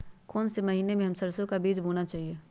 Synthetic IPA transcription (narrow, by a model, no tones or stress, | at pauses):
koːnsemɐɦiːnemẽɦɐmsɐɾsõkabiːd͡ʒbʱuːnat͡ʃaːɦie